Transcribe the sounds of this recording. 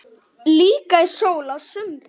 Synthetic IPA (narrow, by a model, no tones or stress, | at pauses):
liːkaisoːwlaðsʏmp